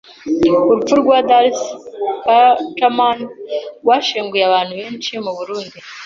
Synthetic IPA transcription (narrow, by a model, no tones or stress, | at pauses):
uɾufuɾɡwadalskatamanɡwaʃiːŋɡujeaβaːnhuβeːnt͡ʃimuβuɾuːndi